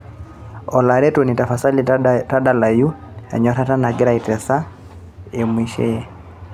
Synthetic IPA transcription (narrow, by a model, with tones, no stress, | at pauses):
ɔ˨la˨ɾɛ˦to˨ni˨ta˨fa˨sa˦lita˦da˨la˨ju˦ɛ̰˨ɲɔ˨˦ɾa˦ta˦na˨ɡɪ˦ɾa˦˨i˨tɛ˨sa˦ | e˨mwi˨ʃɛ̰˦